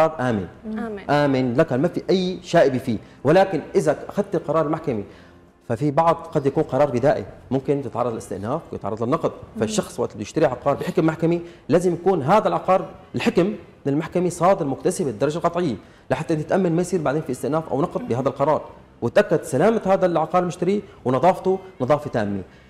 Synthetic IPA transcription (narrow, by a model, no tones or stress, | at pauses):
ɑːd̪ˤʔaːmɪ̰nʔaːmɪnlakhalmafiʔajːʃaːʔɪbifiː | wɪlaːkɪnʔɪzaʔaxad̪̚t̪ɪlqɑɾˤɑːɾˤɪlmaħkami | fafibɑʕd̪ˤqɑd̪jakuːnqɑɾˤɑːɾˤbɪd̪aːʔḭmʊmkɪnt̪ɪt̪ʕɑrˤːɑd̪ɪlɪst̪ɪʔnaːfwjɪt̪ʕɑrˤɑdˤlɪnːɑqd̪̚ˤfaʃːɑxsˤwaʔt̪bjɪʃt̪aɾiʕɑqɑːɾˤbɪħɪkmːaħkamilaːzɪmjakuːnɦaːd̪alʕɑqɑːɾɪlħɪkm | ɪnɪlmaħkamisˤɑːd̪ɪɾmʊkt̪asɪbɪd̪ɑɾˤɑd͡ʒalqɑt̪ˤʕɪjːa | laħat̪ːʔɪnt̪ɪt̪ʔamːanmajsiːɾbaʕd̪eːnfiʔɪst̪ɪʔnaːfʔa̰wnɑqd̪ˤbɪhaːd̪alqɑɾˤɑːɾˤ | wɪt̪ʔakːad̪salaːmahaːd̪alʕɑqɑːɾˤmʊʃt̪aɾiwnɑðˤɑːft̪unɑðˤɑːfit̪a̰ːmːi